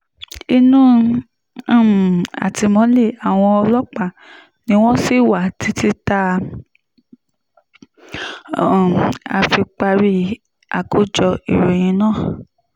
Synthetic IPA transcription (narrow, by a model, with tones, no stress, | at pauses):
i˧nũ˦˨ | a̰˨ti˧mɔ̃˨˦le˦˨a˨w̃ɔ̃˧ɔ˧lɔ˦k͡pa˦˨ | nĩ˨˦w̃ɔ̃˦si˦˨wa˨ti˨˦ti˦ta˧˨ | a̰˧fi˧k͡pa˧ɾi˦ | a˨ku˦d͡ʒɔ˧ḭ˨ɾe˨j̃ĩ˧˦nãː˦˨